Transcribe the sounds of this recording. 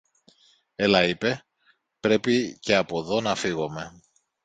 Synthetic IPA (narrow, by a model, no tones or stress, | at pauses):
e̞lɐipe̞ | pɾe̞pice̞ɐpo̞ðo̞nɐfiɣo̞me̞